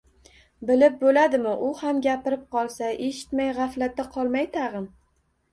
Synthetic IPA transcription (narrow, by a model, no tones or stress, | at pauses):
bɪlɪp̚bolad̪ɪmɪʔʊhamɡʲapɪɾɪp̚qʰɒlˠsaʔe̞ʃɪ̥t̪majʁɑflat̪ːaqʰɒlˠmajt̪ʰaʁɨn